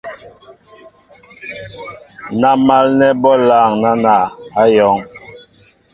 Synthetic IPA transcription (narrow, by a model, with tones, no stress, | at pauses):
na˦ma˦lnɛ˦bɔ˦la˦˨ŋna˦na˨a˦jɔ˨˦ŋ